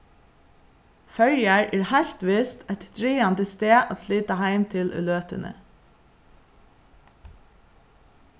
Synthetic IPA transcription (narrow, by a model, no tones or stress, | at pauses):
fœɹjaɹʔɛːɹhɛlt̪ʋɪst̪æt̪d̪̥ɹiːɑnd̪əst̪eːʔa̰t̪sliːt̪ahæɪmt̪ʰɪlʔœ̰løːt̪ʏnə̰